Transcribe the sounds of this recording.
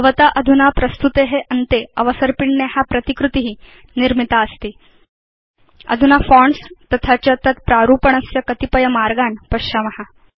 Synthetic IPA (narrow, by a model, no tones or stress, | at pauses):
ʋət̪aʔɐd̪ʱunapɾɐst̪ut̪eɦeʔɐnt̪eəʋəsəɾpiɳnjehapɾɐt̪ikɾut̪iɦiː | niɾmit̪aəst̪iː | ɐ̰d̪ʱunafɔɳst̪ɐt̪ʰat͡ɕjət̪ʰət̪pɾaɾuːpəɳ̃əsjəkɐt̪ipəjəmaɾɡanpɐɕamɐɦa